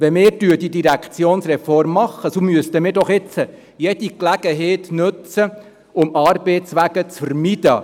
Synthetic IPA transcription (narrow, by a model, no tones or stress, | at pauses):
ʋɛmɪːɾdyːdidiɾækt͡sjoːnsrɛfɔrmːɑχːəsomyəst̪əmɪːɾdɔχɪt͡sə | jɛd̥̪iklæɡ̥əɦeɪt̪nɵt͡sə | ʊmɑːɾbeɪt͡sʋæɡ̥ət͡sfəɾmid̪̥ə